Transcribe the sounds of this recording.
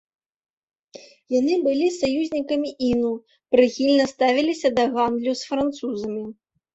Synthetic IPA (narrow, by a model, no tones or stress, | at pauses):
janɨbɨlʲisajuzʲnʲikɐmʲiʔinu | pɾɨxʲilʲnɐst̪avʲilʲisʲɐd̪ɐɣand̪lʲusfɾant̪suzɐmʲi